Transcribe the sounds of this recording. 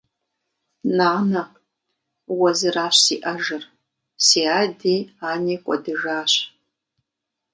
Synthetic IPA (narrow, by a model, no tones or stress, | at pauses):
naːnɐ | wɐzɨraːɕsiːʔɐʒɨr | siːaːdiːaːniːkʷʼɔ̰dɨʒaːɕʷ